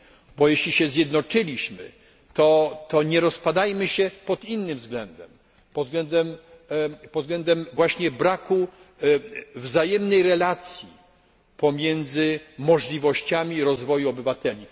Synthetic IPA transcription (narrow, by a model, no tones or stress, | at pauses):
bɔjɛɕlʲiɕɛzʲjɛd̪nɔt͡ʂɘlʲiɕmɘ̰ | t̪ɔt̪ɔɲɛɾɔspad̪ajmɘɕɛpɔd̪inːɘmvzɡlɛnd̪ɛm | pɔzɡlɛnd̪ɛm | pɔd̪zɡlɛnd̪ɛmvwaɕɲɛbɾaku | vzajɛmnɛjɾɛlat̪sʲji | pɔmʲjɛnd̪zɘmɔʐlʲivɔɕt͡ɕamʲiɾɔzvɔjuɔbɘvat̪ɛlʲi